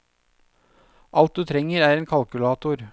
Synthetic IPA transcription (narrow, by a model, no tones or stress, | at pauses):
ʔɑlt̪̚d̪ʉːt̪ʰɾɛŋːəɾæːɾeːnkʰɑlkʉlɑːt̪ʊɾ